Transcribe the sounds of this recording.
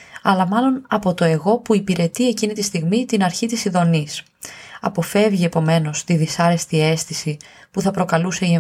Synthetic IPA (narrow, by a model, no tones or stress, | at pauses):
ɐlɐmɐlo̞nɐpo̞t̪o̞e̞ɣo̞puipiɾe̞t̪ie̞cinit̪ist̪iɣmit̪inɐɾçit̪isiðo̞nis | ɐ̰po̞fe̞vʝie̞po̞me̞no̞st̪iðisɐɾe̞st̪ie̞st̪isi | puθɐpɾo̞kɐluse̞ie